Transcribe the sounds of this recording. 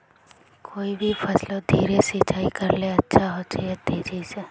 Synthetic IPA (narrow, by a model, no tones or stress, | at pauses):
kʰoːibʱifəslod̪ʱiːɾesit͡ʃaːikəɾleətːʃʰaɦot͡ʃʰeət̪ːeːd͡ʒit͡ʃe